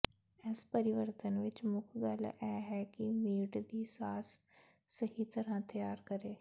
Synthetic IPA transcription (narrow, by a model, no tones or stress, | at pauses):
ɛspəɾɪʋəɾt̪ənʋɪt͡ʃmʊkʰɡalʔɛːɦɛkimiːɖd̪iːsaːsː | ɐɦit̪ɐɾãt̪ɐjaːɾkɐɾeː